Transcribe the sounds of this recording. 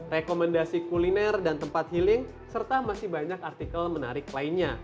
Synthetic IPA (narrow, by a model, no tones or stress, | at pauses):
rekomɛndasikulinɛrdant̪əmpat̪̚hilɪŋ | sərt̪amasɪhbaɲakart̪ikəlməna̰ɾɪklainɲa